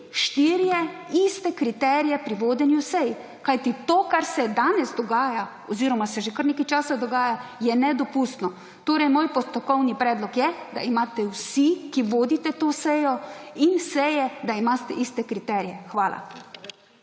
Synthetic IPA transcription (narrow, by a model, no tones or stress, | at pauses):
ʃt̪iɾjɛist̪ɛkɾit̪ɛːɾijɛpɾiʋoːd̪ɛnjusɛj | kajt̪it̪oːkaɾsɛd̪aːnɛzd̪ɔɡaːja | ɔziːɾɔmasɛʒekəɾnekajt͡ʃaːsad̪ɔɡaːjajɛnɛd̪ɔpuːst̪nɔ | t̪oːɾɛjmoːjpɔst̪ɔkɔwnipɾɛːd̪lɔkjɛd̪a̰imaːt̪ɛwsikiʋoːd̪it̪ɛt̪oːsɛjɔinsɛjɛd̪aimaːst̪ɛ̰ʔist̪ɛkɾit̪ɛːɾijɛxʋaːla̰